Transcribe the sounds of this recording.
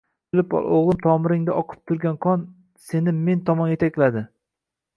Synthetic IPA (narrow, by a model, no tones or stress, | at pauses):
bɪlɪpoʁlˠɨmt̪ʰɒmɪɾɪŋd̪aʔɒqʰɨ̥p̚t̪ʰʊɾɡʲanqʰɒn | se̞nɪːe̞nt̪ʰɒmɒnje̞t̪ʰak̚ʲlad̪ɪ